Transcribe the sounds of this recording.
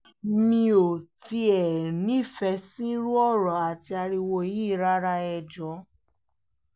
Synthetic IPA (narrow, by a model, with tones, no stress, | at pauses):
mĩ˧o˨ti˧ɛ˨nĩ˨˦˨fɛ˧sĩ˦ɾu˦ɔ˦˨ɾɔ˨a˨ti˧a˧ɾi˧wo˧˨ji˦˨ɾa˦ɾa˧˦ɛ˧d͡ʒɔ˨˦